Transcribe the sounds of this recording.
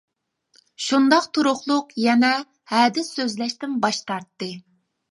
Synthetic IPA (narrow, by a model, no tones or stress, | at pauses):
ʃund̪ɑqt̪ʰuɾʊχlˠʊqjɛnɛ | hɛːd̪ɪsøzlɛʃt̪ɪnbɑʃt̪ɑɾt̪ːɨ